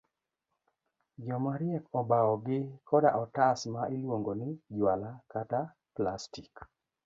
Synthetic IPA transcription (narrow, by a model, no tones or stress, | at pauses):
d͡ʒɔmaɾɪɛkɔbaɔɡɪkʰɔda̰ʔɔtasmaʔilwoŋɡonɪd͡ʒwalakata | plastik